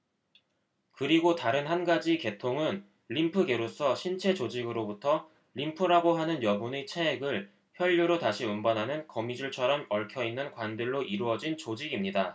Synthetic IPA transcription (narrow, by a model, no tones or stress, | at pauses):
kɯɾiɡotaɾɯnhanɡad͡ʑike̞tʰoŋɯn | ʎimpʰɯɡe̞ɾos͈ʰʌɕʰint͡ɕʰe̞t͡ɕod͡ʑiɡɯɾobutʰʌ | ʎimpʰɯɾaɡoɦanɯnjʌbunet͡ɕʰeeɡɯɭ | çjʌʎːuɾotaɕʰiumbʌnɦanɯnkʌmid͡ʑuɭt͡ɕʰʌɾʌmʌɭkʰjʌinːɯnkwandɯɭːoʔiɾuʌd͡ʑint͡ɕod͡ʑiɡimɲida